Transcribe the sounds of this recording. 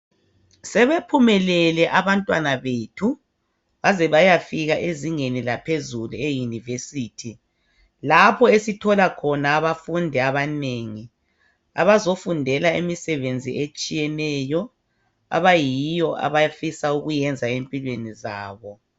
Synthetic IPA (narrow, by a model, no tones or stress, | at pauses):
sɛβepʰumɛlɛlɛʔaβantʼwanaβetʰu | βazɛβajafiɣaʔeziŋenilapʰezuluejunivesiːtʰi | lapʰɔesitʰɔlakʰɔnaːβafundʱɛaβaneːŋi | a̰βazofundʱɛlaemisɛβend͡zʱiʔet͡ʃʼijɛnɛjɔ | a̰βajijɔʔa̰βajafisauɣujɛnd͡zʱaempʼilweniza̰ːβɔ